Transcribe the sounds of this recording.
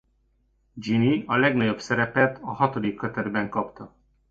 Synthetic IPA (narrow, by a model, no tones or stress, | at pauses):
d͡ʒiniɒlɛɡnɒɟo̞bsɛɾɛpɛt̪ʰɒhɒt̪o̞d̪ikːøt̪ɛd̪bɛŋkɒpt̪ɒ